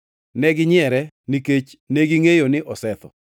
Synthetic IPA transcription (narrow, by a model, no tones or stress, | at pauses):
nɛɡɪɲɪɛɾɛ | niket͡ʃ | neɡiŋejonɪʔɔsɛt̪ɔ̰